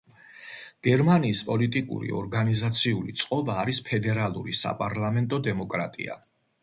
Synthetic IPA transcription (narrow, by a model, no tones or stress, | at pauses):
ɡ̥ɛɾmaniːspʼɔlit̪ʼikʼṵɾḭɔ̰ɾɡanizat̪sʰiulit̪sʼqʼɔbaːɾispʰɛd̪ɛɾalˠṵɾisa̰pʼaɾlˠamɛnt̪ʼɔd̪ɛmɔkʼɾa̰t̪ʼḭa̰